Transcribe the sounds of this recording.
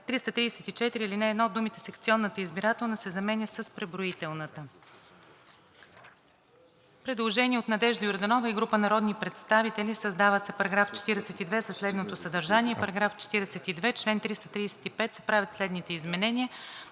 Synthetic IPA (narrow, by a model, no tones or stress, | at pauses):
t̪ɾist̪ət̪ɾiɛsɛt̪it͡ʃɛt̪iɾiːlʲinɛːd̪nɔod̪ːumit̪ɛsɛkt̪siɔnːət̪əizbiɾat̪ɛlˠnəsɛzɐmɛnʲəsəspɾɛbɾoit̪ɛlˠnət̪ə | pɾɛd̪lˠoʒɛnʲiɛot̪nɐd̪ɛʒd̪əjʊɾd̪ɐnɔvəiɡɾupənɐɾɔd̪nipɾɛt̪st̪avit̪ɛlʲisəzd̪avəsɛpɐɾɐɡɾaft͡ʃɛ̥t̪iɾɛsɛt̪id̪vɛsəslɛd̪not̪osəd̪ɐɾʒanʲiɛpɐɾɐɡɾaft͡ʃɛ̥t̪iɾɛsɛt̪id̪vɛt͡ʃlɛnt̪ɾist̪ət̪ɾisɛ̥t̪ipɛt̪sɛ̥pɾavʲjət̪slɛd̪nit̪ɛizmɛnɛniə